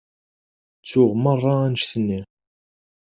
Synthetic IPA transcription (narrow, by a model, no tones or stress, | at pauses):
t͡sːʊʁmərˤːɑænʃθənːi